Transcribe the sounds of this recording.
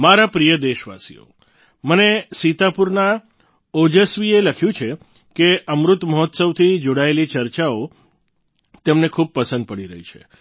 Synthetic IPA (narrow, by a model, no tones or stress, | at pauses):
maɾapɾijəd̪eʃʋa̰sḭjo̰ | mənesit̪apuɾna | od͡ʒəsʋieləkʰjũt͡ʃʰe | keʔəmɾut̪məɦɔt̪səʋt̪ʰid͡ʒoɽaelit͡ʃəɾt͡ʃao | t̪emnekʰub̚pəsə̃nd̪̚pəɽiɾəɦit͡ʃʰe